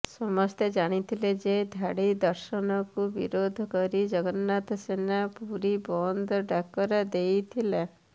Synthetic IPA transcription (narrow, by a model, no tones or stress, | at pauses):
sɔmɔst̪ed͡ʒaɽ̃it̪ʰiled͡ʒed̪ʱaɽid̪ɔɾʃɔnɔkubḭɾod̪ʱɔkɔɾid͡ʒɔɡɔnːat̪ɔsenapuɾibɔnd̪ʱɔɖakɔɾed̪ejt̪ʰile